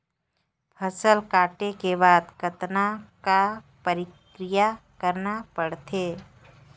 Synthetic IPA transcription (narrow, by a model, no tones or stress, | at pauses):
pʰəsəlkaːʈekebaːd̪kət̪naka | pəɾɪk | ɾɪjakəɾnapəɽt̪ʰeː